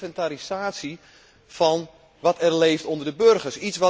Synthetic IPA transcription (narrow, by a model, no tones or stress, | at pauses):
fɛntaɾisaːtsi | fɔn | ʋɔtɛrleːftondərdəbørɣərsitsʋɔ